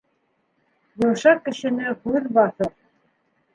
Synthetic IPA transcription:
jɤ̆wʃɑkːɘ̆ʃɘ̆nɘhʉðbɑθɤɾ

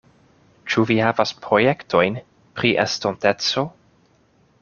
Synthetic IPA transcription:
t͡ʃuvihavaspɾo̞jektʰo̞jn | pɾiʔḛstonte̞t͡so̞

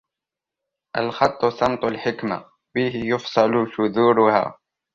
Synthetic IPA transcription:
ʔalxɑt̪ˤːʊsɑmt̪ˤʊlħɪkma̰ | biːɦɪjʊfsˤɑlʊʃʊðuːɾʊha̰ː

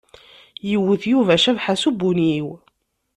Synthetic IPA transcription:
jəwːəθjuvæʃævħasubuniw

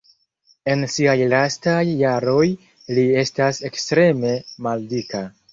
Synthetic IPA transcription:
e̞nsiajlastajːaɾo̞j | lie̞stase̞kstɾe̞me̞maldika

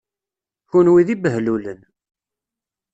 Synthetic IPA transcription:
çunwiðibəɦlulən

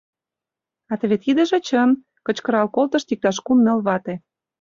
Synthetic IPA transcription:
ɑt̪eβet̪id̪ə̆ʒĕt͡ɕən | kə̆t͡ɕkɤ̆ɾɑlkolt̪ə̆ʃt̪ik̚t̪ɑʃ̬kumːelβɑt̪e

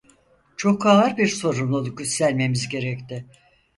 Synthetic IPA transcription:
t͡ʃʰo̞kʰaaɾbiɾso̞ɾumlˠuɟysːælʲme̞mizɟe̞ɾɛct̪ʰɪ

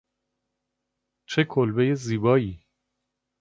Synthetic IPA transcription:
t͡ʃʰe̞kʰolbe̞jeziːbɒːiː

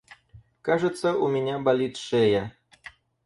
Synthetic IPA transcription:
kaʐɛt̪sɐʔumʲenʲabalʲit̪ʂɛjɛ

